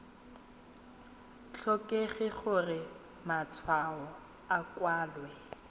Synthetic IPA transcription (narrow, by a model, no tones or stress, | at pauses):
t͡ɬʰɔkʼeχɪχʊrɪ | mat͡sʰwaɔ | akwaːlwɛ